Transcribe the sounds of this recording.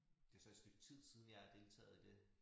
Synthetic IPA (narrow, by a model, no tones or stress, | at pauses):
d̥e̝ɐsɒ̽ed̥sd̥øɡ̥̚t͡sʰið̞̰ˠsiðˠn̩jɑ̈æd̥e̝lt͡sʰɛ̰ːð̩ˠd̥e̝